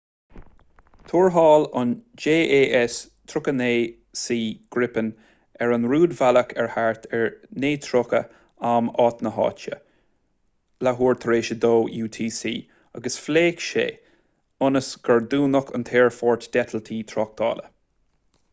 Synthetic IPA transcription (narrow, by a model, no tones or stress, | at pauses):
t̪ʰuːɹɦɑːlʊ̰nd͡ʒeːʔeːʔɛs | t̪ʰɾʊkəneː | siːɡ̥ɾɪpən | ɛɹənɹuːd̪valəkʰɛɹhaɹt̪ʰɛɹneːt̪ʰɾʊkə̰ | amɑːt̪nəɦɑ̰ːt͡ʃə̰ | laɦuːɹt̪ʰɾeːʃəd̪oːjuːt̪ʰiːsiː | aɡəsfleːkʃḛː | ʊnəsɡ̥əɹd̪uːnəkʰʊ̰nt̪ʰeːɹfɔːɹt̪d̥̪ɛt̪ʰəlt̪ʰiːt̪ʰɾɔk̚t̪ʰɑ̰ːlə̰